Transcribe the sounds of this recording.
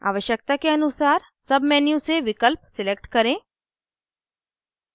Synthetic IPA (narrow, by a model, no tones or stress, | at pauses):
a̰ːʋəʃjək̚t̪akeɐnʊsaːɾ | sɐbmɛːnijũseʋɪkəlp̚sɪlek̚ʈkɐɾẽː